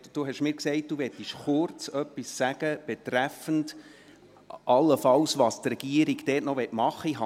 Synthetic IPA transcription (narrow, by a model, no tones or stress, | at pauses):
d̥uɦɛʃmɪːɾkseɪt̚d̪̥uʋɛt̪ːiʃχʊrt͡sœpːisːæɡ̥əb̥ɛt̪ɾæfənd | ʔɑlːəfɑwsʋɑːst̪rɛɡ̥iəɾiɡd̥ɛːtnɔʋɛtmɑχːəiɦɑ